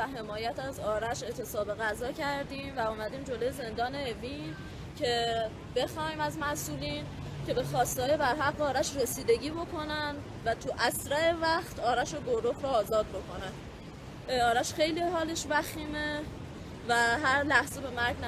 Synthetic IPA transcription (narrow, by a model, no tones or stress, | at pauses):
æɦe̞mɒːjæt̪ʰæzɒːɾæʃe̞ʔt̪ʰe̞sɒːbe̞ɣæzɒːcʰæɾd̪iːmvæuːmæd̪iːmd͡ʒo̞lojeze̞nd̪ɒːne̞ːviːn | cʰe̞ | be̞xɒːhimæzmæsuːliːn | cʰe̞be̞xɒːst̪ɒːjebæɾɦæɡːeɒːɾæʃɾe̞siːd̪e̞ɟiːbo̞kʰo̞nænd̪ | væt̪ʰuʔæsɾæe̞væxt̪ʰɒːɾæʃo̞ɡoɾofɾɔːzɒːd̪̚bo̞kʰo̞næn | ɒːɾæʃxe̞jlihɒːle̞ʃbæxiːme | væɦæɾlæhzebe̞mæɾɡn